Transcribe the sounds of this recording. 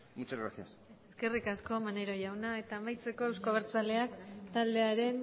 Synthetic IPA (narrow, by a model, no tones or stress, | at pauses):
mut͡ʃazɣɾa̰siaseske̞rikasko̞maneɾo̞ʝawnae̞t̪aːmajt͡se̞ko̞ewskoβ̞eɾt͡sale̞akt̪ald̪e̞aɾe̞n